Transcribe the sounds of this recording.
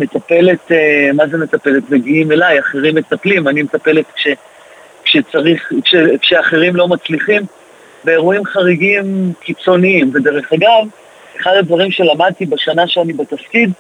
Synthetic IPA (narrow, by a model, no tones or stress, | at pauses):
me̞t̪ape̞le̞temazeme̞t̪ape̞letmeɡiime̞lajaχeʁimːet̪aplimanimet̪ape̞le̞t̪kʃe̞ | kʃet͡saʁiχkʃekʃeaχe̞ʁimlo̞mat͡sliχim | beeʁuimχaʁiɡimkit͡so̞niimve̞deʁe̞χaɡav | eχadadvaʁimʃe̞lamad̪̚t̪ibaʃanaʃeanibat̪afkid